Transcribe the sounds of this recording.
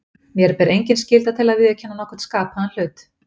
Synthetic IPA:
mjɛɾpɛɾejɲcɪnscɪlt̪at̪ʰɪlaðvɪðʏcʰɛnːanɔhkʰvɛɾ̥t̪skaːphaanl̥ʏːt̪

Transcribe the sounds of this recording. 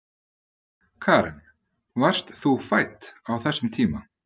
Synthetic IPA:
kʰaːɾɪn | var̥st̪θufajt̪awθɛsːʏmt̪ʰiːma

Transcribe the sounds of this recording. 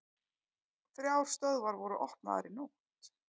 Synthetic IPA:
θɾjawɾ̥st̪œðvaɾvɔɾʏʔɔhpna̰ða̰ɾinu | t̪

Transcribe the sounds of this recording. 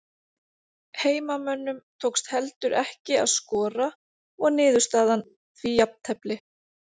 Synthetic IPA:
heːjmamœnːʏmt̪ʰowkst̪hɛlt̪ʏɾɛhcɪa̰ðskɔːɾa | ɔɣnɪːðʏ̥st̪aːðan | θvijapt̪ʰɛplɪ

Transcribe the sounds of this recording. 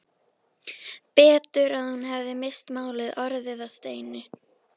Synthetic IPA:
pɛːt̪ʏɾaðhunɦɛvðɪmejst̪maːwlɪðɔɾðɪðast̪eːjnʏ

